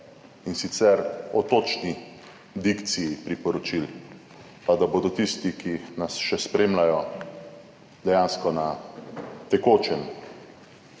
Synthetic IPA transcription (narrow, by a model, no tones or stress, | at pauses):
insit̪sɛɾɔt̪oːt͡ʃni | d̪ikt̪sijipɾipɔɾɔt͡ʃil | pad̪aboːd̪ɔt̪ist̪ikinasʃɛspɾeːmlajɔ | d̪ɛjaːnskɔna | t̪ɛkoːt͡ʃɛm